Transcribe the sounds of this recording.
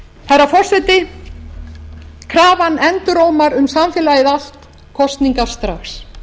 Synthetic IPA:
θɛrːafɔr̥sɛt̪ɪ | kʰɾaːvanɛnt̪ʏɾoːwmaɾʏmsamfɪːlajɪðal̥t̪ | kʰɔst̪niŋkḁst̪ɾaxs

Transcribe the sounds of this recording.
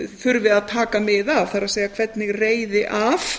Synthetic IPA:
θʏɾvɪðaðt̪ʰaːkamɪðav̥θaɾaðseːjɣakʰvɛt̪nɪɣreːjðɪʔaf

